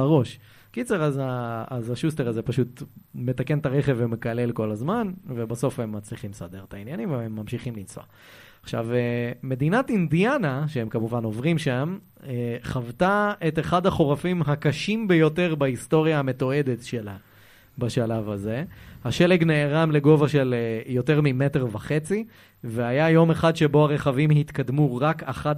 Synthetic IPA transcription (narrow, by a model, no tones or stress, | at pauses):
ʁo̞ʃ | kit͡seʁazaːzaʃuste̞ʁazepaʃut̪me̞t̪ake̞nt̪aʁe̞χevːeme̞kale̞lkolazmanvebaso̞fhemːat͡sliχimsad̪e̞ʁt̪ainjanimveemːamʃiχimlint͡so̰a | aχʃa̰veme̞d̪inatind̪ianaʃeemkamuvano̞vʁimʃam | eχavtae̞teχad̪haχo̞ʁafimɦakaʃimbe̞jo̞te̞ʁbaisto̞ʁjaame̞t̪o̞e̞d̪etʃela | baʃalavhaze̞haʃe̞leɡneːʁamle̞ɡo̞vaʃe̞ljo̞te̞ʁmime̞teʁvaχe̞t͡si | veajajo̞me̞χad̪ʃe̞bo̞aʁe̞χavimhit̪kadmuʁakaχa